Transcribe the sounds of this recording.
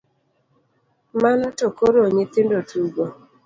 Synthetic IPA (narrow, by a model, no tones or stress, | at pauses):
manɔtokoɾoɲet̪ɪndotuɡo